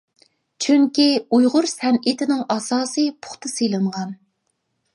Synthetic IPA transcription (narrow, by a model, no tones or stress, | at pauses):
t͡ʃʰyŋkʲiujʁʊɾsɛnit̪ʰɪnɪŋɑsɑːsɨpʰʊ̥χt̪ʰɨsɨjlˠɨɴʁɑn